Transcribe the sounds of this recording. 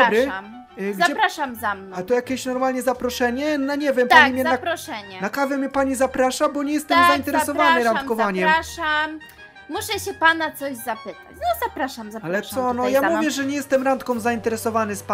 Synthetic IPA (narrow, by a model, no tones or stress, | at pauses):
bɾɘam | ɡzaɛpɾaʂamzamnat̪ɔjakʲeɕnɔɾmalɲɛzapɾɔʂɛɲɛnaɲɛvʲjɛmp̪ɔvijmjɛapɾɔʂɛɲɛnakavɛmʲɛpaɲizapɾaʂabɔɲɛjɛst̪ɛmzaint̪ɛɾɛsɔvanɪɾankɔvaɲɛmaʂam | muʂɛɕɛpanat̪sɔʑzapɘt̪a̰t͡ɕnɔzapɾaʂamzaalɛt̪sɔnɔjamuvjɛʐɛɲɛjɛst̪ɛmɾant̪kɔmzaint̪ɛɾɛsɔvanɘspa